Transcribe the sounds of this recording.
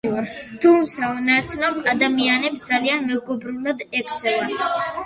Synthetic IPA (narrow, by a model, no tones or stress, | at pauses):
t̪ʰumt̪sʰanat̪sʰnɔmad̪amianɛpsd̪zalianmɛɡɔbɾulad̪ɛkɾt̪sʰɛla